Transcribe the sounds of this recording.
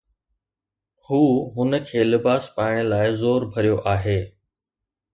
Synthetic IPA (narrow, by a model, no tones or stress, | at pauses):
huːɦʊnəkʰeːlɪbaːspaːɪɽ̃ɪlaːɪzoːɾbʱɐɾijoʔaːɦeː